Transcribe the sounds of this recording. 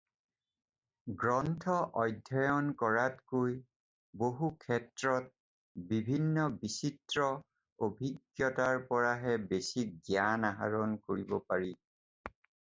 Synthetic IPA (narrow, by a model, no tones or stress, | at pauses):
ɡɹɔntʰɔʔɔjdʱɔjɔnkɔɹatkoj | boɦukʰɛtɹɔt̚ | bibʱinːɔbisitɹɔ | obʱiɡjɔtaɹpɔɹaɦɛbesiɡjanaɦa̰ɹɔnkoɹibɔpaɹi